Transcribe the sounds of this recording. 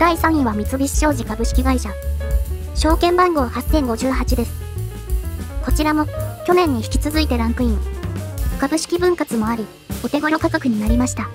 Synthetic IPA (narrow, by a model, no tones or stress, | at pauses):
d̪̥aisãɰ̃ĩβ̞amʲit͡sɨbʲiɕi̥ɕo̞ːʑikabɯ̟ɕi̥kʲiɡaiɕa | ɕo̞ːkẽ̞mbãŋɡo̞βahasẽ̞ŋɡo̞ʑɨːɦat͡ɕid̪e̞sɨ̥ | ko̞t͡ɕiɾamo̞kʲo̞nẽ̞ɲ̟ːiçi̥kʲi̥t͡sɨzɨit̪e̞ɾãŋkɯ̟ĩɰokabɯ̟ɕi̥kʲibɯ̟̃ŋkat͡sɨmo̞aɾʲi | o̞t̪e̞ɡo̞ɾo̞kakakɯ̟ɲ̟inaɾʲimaɕi̥t̪a